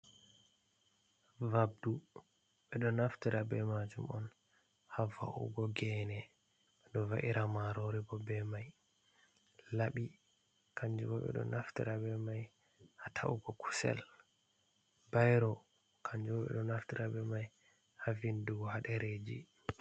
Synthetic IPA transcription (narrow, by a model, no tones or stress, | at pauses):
vab̚du | ɓɛɗɔnaftiɾabɛmad͡ʒumɔn | hava̰ʔṵɡɔɡɛnɛ | ɓɛɗɔvaʔiɾamaɾoɾibɔbɛmaj | laɓi | kʰaɲd͡ʒubɔɓɛ̰ɗɔ̰naftiɾabɛmaj | hatʰa̰ʔuɡɔkʰu̥sɛ̰l | bajɾɔ | kʰaɲd͡ʒubɔɓɛ̰ɗɔnaftiɾabɛmaj | havinduɡɔhaɗɛɾed͡ʒi